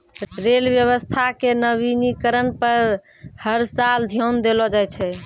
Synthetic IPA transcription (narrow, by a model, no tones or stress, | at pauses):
ɾelbjəβəst̪ʰakenəβinikəɾənpəɾ | həɾsald̪ʱjond̪elɔd͡ʒajt͡ʃʰɛ